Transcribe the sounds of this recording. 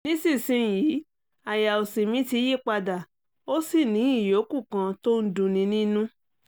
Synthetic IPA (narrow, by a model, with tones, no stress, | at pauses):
nĩ˨˦si˦˨sĩ˧˨jiː˨˦ | a˨ja˨o˨si˨mĩ˨˦ti˧˦je˦˨k͡pa˧da˨ | o˦si˦˨nĩ˨˦i˦˨jo˨˦ku˦˨kã˧to˦n̩˦dũ˧nĩ˧˦nĩ˦nũ˦